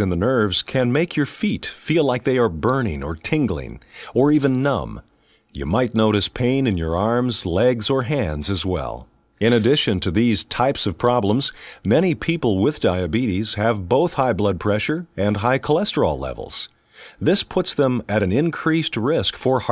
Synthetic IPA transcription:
ɨ̃nðənɜ˞vz̥kʰɨ̃nmeɪkʰjə˞fitfilaɪk̚ðeɪə˞bɜ̃˞nɪ̰̃ŋə̰˞tʰɪ̃ŋɡl̩ˠɪ̰̃ŋə˞ivɨ̃nːʌ̰̃m | jɨ̰maɪtⁿnoʊɾɨspʰẽɪ̃nɨ̃njə̰˞ɑɹmzlɛɡzə˞ɦæ̃ndzɨzwɛ̰lˠ | ɨ̃ɾ̃ɨdɪʃɨ̃ntʰɨðiz̥tʰaɪpsʌv̥pʰɹ̥ɑblə̃mzmɛɾ̃ipʰipl̩ˠwɪðdaɪɨbiɾiz̥ɨvboʊθhaɪblʌd̚pʰɹ̥ɛʃə˞ɨ̃nɦaɪkʰəlɛstə˞l̩ˠlɛ̰vl̩ˠz̥ | ðɪspʰʊtsðə̃mɨɾɨ̃nɪ̃nkʰɹ̥ist̚ɹɪskfə˞h

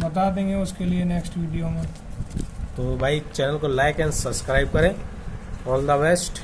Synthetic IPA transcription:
bɐt̪ad̪ẽːŋɡeʊskelieneːksʈʋiːɖijomẽ | t̪oːbʱaːit͡ʃɛːnəlkolaːɪkɛ̃ːnsɐbskɾaːɪb̚kɐɾẽː | ɔːld̪əbɛsʈ

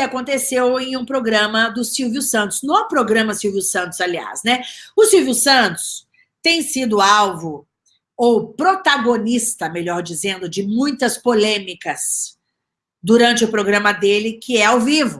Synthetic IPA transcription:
ɪakõnt̪esewẽj̃ũpɾoɡɾɐ̃mɐd̪ʊsiwvjʊsɐ̃nt̪ʊ̥znɐ̃w̃ɛpɾoɡɾɐ̃mɐsiwvjʊsɐ̃nt̪ʊ̥z̥alia̰snɛʊsiwvjʊsɐ̃t̪ʊ̥s | t̪ẽj̃sid̪ʊawvʊ | owpɾot̪aɡonist̪ɐmeʎɔɾd͡ʒizẽnd̪ʊd͡ʒɪmũj̃t̪ɐspolẽmikɐs | d̪uɾɐ̃nt͡ʃɪʊpɾoɡɾɐ̃mɐd̪elɪkʰɪɛawvivʊ

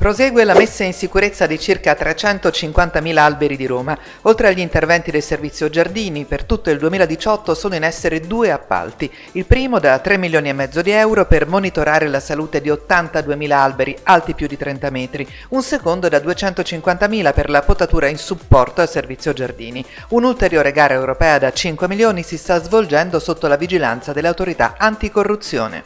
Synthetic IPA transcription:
pɾozɛːɡwelamesːainsikuɾet̪sːad̪it͡ʃirkat̪ːɾet͡ʃɛnt̪ot͡ʃiŋkwant̪amiːlaalbeɾid̪iɾoːma | olt̪ɾeaʎːiːnt̪ervɛnt̪id̪elservit̪sːjod͡ʒard̪iːnipert̪ut̪ːoild̪uemiːlad̪it͡ʃɔt̪ːosoːnoinɛsːeɾed̪uːeapːa̰lt̪i | ilpɾiːmod̪at̪ːɾemːiljoːniemːɛd̪zːod̪iɛwɾopermonit̪oɾaːɾelasaluːt̪ed̪iot̪ːant̪ad̪uːemiːlaalbeɾialt̪ipjud̪ːit̪ɾɛnt̪amɛːt̪ɾi | unsekond̪od̪ad̪uet͡ʃɛnt̪ot͡ʃiŋkwant̪amiːlaperlapot̪ːat̪uːɾainsupːɔrt̪oalservit̪sːjod͡ʒard̪ḭːni | unult̪eɾjoːɾeɡaːɾaewɾopɛːad̪at͡ʃiŋkwemiljoːnisist̪azvold͡ʒɛnd̪osot̪ːolavid͡ʒila̰nt̪sad̪elːeawt̪oɾit̪a̰ant̪ikorːut̪sːjo̰ːnḛ

